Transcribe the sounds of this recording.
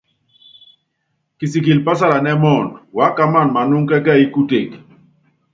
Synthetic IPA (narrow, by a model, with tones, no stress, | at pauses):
ki˨si˨ki˨lpa˦sa˦ɾa˨nɛ˦mɔ˦˨nwa˦ka˦ma˦˨nma˨nʊ˦ŋkɛ˦ka˦i˦ku˦te˨k